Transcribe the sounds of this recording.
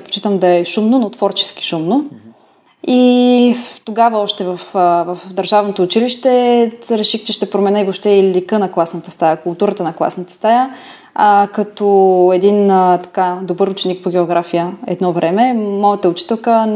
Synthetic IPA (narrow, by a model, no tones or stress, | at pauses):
t̪po̥t͡ʃit̪əmd̪ɐɛʃumnonot̪v̥ɔɾt͡ʃɛ̥sk̟i̥ʃumno | i | t̪oɡavəɔʃt̪ɛvəfvɐfd̪ɐɾʒavnot̪oːt͡ʃiliʃt̪ɛɾɛʃixt͡ʃɛʃt̪ɛpɾomɛnɛivopʃt̪ɛilikənɐklˠasnət̪əst̪ajəkʊlˠt̪uɾət̪ənɐklˠa̰snət̪ə̥st̪aj | akɐt̪ɔɛd̪int̪ɐ̥kad̪obɤɾʊt͡ʃɛnik̚poɡʲɛoɡɾafijəɛ̰d̪nɔvɾʔɛmɛmɔjət̪əʊt͡ʃi̥t̪ɛlˠkə